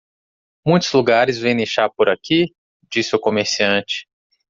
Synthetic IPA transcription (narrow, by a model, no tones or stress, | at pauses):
mũj̃t̪ʊzluɡaɾɪzvẽj̃neʃaɾpoɾaki | d͡ʒisɪʊkomeɾsiɐ̃t͡ʃɪ̥